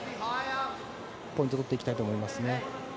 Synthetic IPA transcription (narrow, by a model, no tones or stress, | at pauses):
pːoĩt̪ot̪ot̪ːeikʲit̪ait̪oːmo̞imasɨne̞